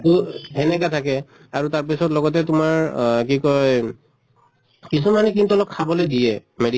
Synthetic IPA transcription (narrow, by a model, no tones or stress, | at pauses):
tuɦɛnɛkatʰakɛ | aɹutaɹpisɔtlɔɡɔtɛtʊmaɹk̬ikɔj | kis̬umanɛkintɔlɔkʰːabɔlojdijɛmedi